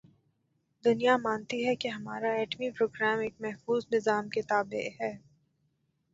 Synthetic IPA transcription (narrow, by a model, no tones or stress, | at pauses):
d̪ʊnijamaːnt̪iɦɛkeɦɐmaːɾaɛːʈmipɾoːɡɾɛːmeːk̚mɛɦfuːznɪzaːmket̪aːbḛʔɦɛː